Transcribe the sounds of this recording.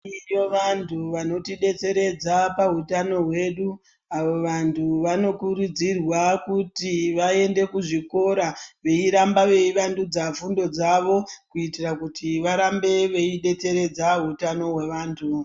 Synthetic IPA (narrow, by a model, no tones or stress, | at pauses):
joʋantʰuʋano̞tiɗe̞t͡se̞ɾe̞d͡zapaɦutano̞ɦwe̞ɗu | aʋo̞ʋantʰuʋano̞kuɾud͡zirwakutiʋae̞nde̞kuʐiko̞ɾaʋe̞iɾambaʋe̞iʋandud͡zafundo̞d͡zaʋo̞kuitirakutiʋaɾambe̞ʋe̞iɗe̞t͡se̞ɾe̞d͡zaɦutano̞ɦwe̞ʋaːntʰu